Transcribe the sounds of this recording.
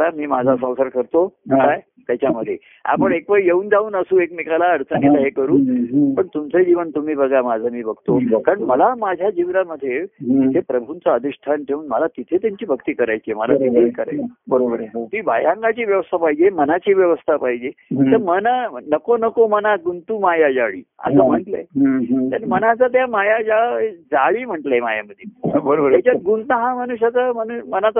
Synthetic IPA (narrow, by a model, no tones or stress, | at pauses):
t̪amiːmad͡zʱasə̃w̃səɾkəɾt̪okaj | t̪jat͡ɕaməd̪ʱːje | a̰pəɳekʋəjeuːnd͡zauːnəsuːekmikalaəɽt͡s̪ʰənit̪aɦekəɾuːpəɳt̪umt͡sed͡ʑiʋənt̪um̤iːbəɡʱamad͡zʱamiːbəɡt̪okaɾəɳməlamad͡ʑʱjad͡ʑiʋnaməd̪ʱːjeɦepɾəbʱunt͡saəd̪iɕʈʰanʈʰeuːnməlat̪it̪ʰet̪jaɲt͡ɕiːbʱəkt̪iːkəɾajt͡ɕeməlat̪itʰeekəɾa̰jbəɾobəɾt̪iːbajãŋɡat͡ɕiːʋjəʋəst̪ʰapaɦid͡ʑemənat͡ɕiːʋjəʋəst̪ʰapaɦid͡ʑet̪əɾmənanəkonəkomənaɡunt̪umajad͡zaɭḭːə̰səːm̤əɳʈləjt̪əɾmənat͡sat̪̬jamajajad͡zaɭiːm̤əɳʈləemaja̰məd̪ʱːjebəɾobət̪at͡ɕaɡunt̪aɦamənuɕjat͡samənumənat͡sa